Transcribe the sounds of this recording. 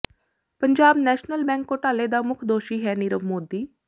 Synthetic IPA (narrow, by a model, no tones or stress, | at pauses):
pəɲd͡ʒaːbnɛːʃnəlbɛ̃ːŋkoːʈaːleːd̪aːmʊkʰd̪oːʃiːɦɛːnɪɾəʋmoːd̪iː